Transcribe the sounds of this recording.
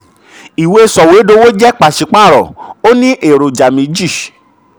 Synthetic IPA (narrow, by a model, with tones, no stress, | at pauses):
i˨we˧e˧sɔ˨we˨˦do˧˦wo˦d͡ʒɛ˦k͡pa˨ʃi˨˧k͡pa˦˨ɾɔ̰˨o˦nĩ˦ʔe˨ɾo˨d͡ʒa˨mĩ˧˦d͡ʒi˦˨